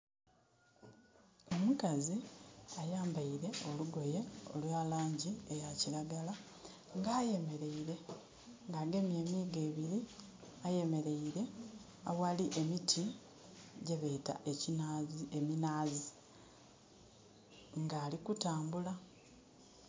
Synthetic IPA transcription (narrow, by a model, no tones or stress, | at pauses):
o̞mukaziajaːmbaiɾe̞o̞luɡo̞je̞o̞lwaːlaːɲɟiejaciɾaɡala | ŋɡaːje̞me̞ɾe̞iɾe̞ | ŋɡaːɡe̞mje̞ːmiːɡe̞ːβiɾi | aje̞me̞ɾe̞iɾe̞ | awaliʔemitʰi | ɟeβeta̰ʔe̞cinazeminaːzi | ŋɡaːlikutaːmbula